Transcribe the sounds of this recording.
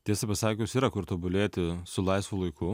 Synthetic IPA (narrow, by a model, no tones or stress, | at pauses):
t̪ʲiɛsɐpʲɐsɑːkʲʊsiːɾɐkʊɾt̪oːbʊlʲeːt̪ʲɪsʊlˠɐɪsʋʊlˠɐɪkʊ